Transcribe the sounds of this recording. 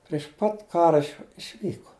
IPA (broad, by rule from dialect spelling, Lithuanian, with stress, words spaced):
pʲrʲɪʃ ˈpɐt ˈkɑːrɐ ɪʃʲˈʋʲiːkoː